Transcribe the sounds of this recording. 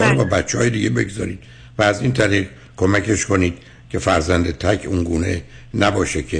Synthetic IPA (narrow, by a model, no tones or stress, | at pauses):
ɒɾbɒːbæt̪t͡ʃːehɒːjed̪iːɟebe̞̰ɡzɒ̰ːɾiːd̪̥̚ | væːziːnt̪ʰæɾiːʁ | kʰo̞mækʰe̞ʃkʰo̞niːd̪̥ | cʲʰe̞fæɾzænd̪et̪ʰækʰunɡuːne̞ | næbɒːʃekʲʰe